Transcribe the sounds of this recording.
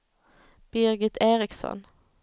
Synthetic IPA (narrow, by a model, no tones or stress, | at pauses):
b̥ɪʁɡɪt̪ʰeːʁɪksɔ̰n